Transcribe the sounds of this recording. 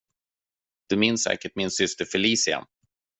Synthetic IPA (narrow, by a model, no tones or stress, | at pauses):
d̪̥ɵmɪnːsːɛ̰ːkəʈmɪnsʏst̪əɾfɛliːsɪa̰n